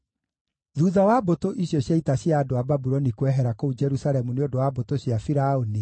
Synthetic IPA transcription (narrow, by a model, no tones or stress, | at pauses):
ðuːðawabotoʔiɕjɔɕjaitaɕjaːdoababuɾɔnikwɛɦɛɾakoud͡ʒɛɾusaɾɛmuneodowabotoɕjafiɾaoni